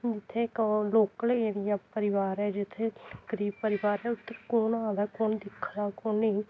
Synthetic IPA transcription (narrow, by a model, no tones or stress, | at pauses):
d͡ʒɪt̪ʰːẽkloːkəleːɾɪjaːpəɾɪʋaːɾɦɛːd͡ʒɪt̪ʰːẽɡ̥əɾiːb̚pəɾɪʋaːɾɦɛːʊt̪ːəɾkoːnãːd̪aːkoːnd̪ɪkʰːd̪aːkoːnĩ